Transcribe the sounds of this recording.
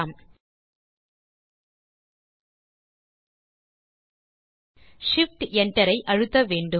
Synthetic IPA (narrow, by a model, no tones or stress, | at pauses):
aːm | ʂɪfʈɛɳʈɐɾɐɪʔɐɻɯt̪ːɐʋeːɳɖɯ